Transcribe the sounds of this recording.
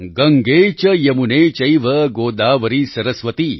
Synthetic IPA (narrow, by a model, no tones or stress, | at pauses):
ɡɐŋɡeːt͡ʃɐjɐmuneːt͡ʃɐjʋɐɡoːd̪aːʋɐɾisɐɾɐsʋɐt̪i